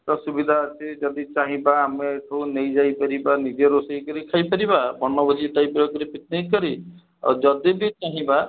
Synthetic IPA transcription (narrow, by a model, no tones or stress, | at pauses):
ʈɔsubid̪ʱaat͡ʃʰid͡ʒɔd̪it͡ʃaɦĩbaːmeʈʰunejd͡ʒajpɔɾibanid͡ʒeɾosejkɔɾikʰajpɔɾibabɔnːɔbɔd͡ʒit̪ajpɾɔkɔɾipit̪̚nikkːɔɾḭ | d͡ʒɔd̪ibit͡ʃaɦĩba